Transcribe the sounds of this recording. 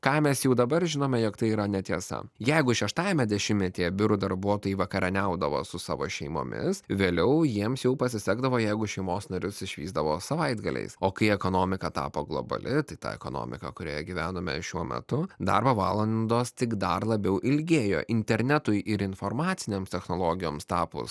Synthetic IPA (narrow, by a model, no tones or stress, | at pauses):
kɑːmʲɛsjɛʊd̪ɐbɐrʒʲɪnoːmʲɛjoːkt̪ɐɪiːɾɐnʲɛt̪ʲiɛsɐ̰jɛɪɡʊʃʲɛʃt̪ɑːjɛmʲɛd̪ʲɛʃʲɪmʲmnʲɛt̪ʲiːjɛbʲɪɾʊd̪ɐɾbuɔt̪oːjɪʋɐkɐɾʲɛnʲɛʊd̪ɐʋo̰ːsʊsɑ̰ːʋo̰ːʃʲɛɪmo̰ːmʲɪ̰sʋʲeːlʲɛʊjiɛmsjɛʊpɐsʲɪsʲæːɡd̪ɐʋoːjɛɪɡʊʃʲɛɪmoːsnɐɾʲʊsɪʃʲʋʲiːzd̪ɐʋoːsɐʋɐɪd̪ɡɐlʲɛ̰ɪsoːkɐɪɛkoːnoːmʲɪkɐt̪ɑ̰ːpoːɡlˠo̰bɐ̰lʲɪt̪ɐɪt̪ɑ̰ːɛ̰koːno̰ːmʲɪ̰kɐ̰kʊɾʲo̰ːjɛɡʲiʋʲæːnoːmʲɛ̰ʃʲuɔmʲɛ̰t̪ʊd̪ɐ̰rbɐʋɑːlˠɐnd̪oːst̪ʲɪkd̪ɐrlˠɐbʲɛʊʔɪlʲɡʲeːjo̰ːʔɪnʲt̪ʲɛɾʲnʲɛt̪ʊɪʔɪɾɪnformɑːt̪sʲɪnʲeːmst̪ʲɛxnoːlˠoːɡʲɪjoːmst̪ɑːpʊ̰s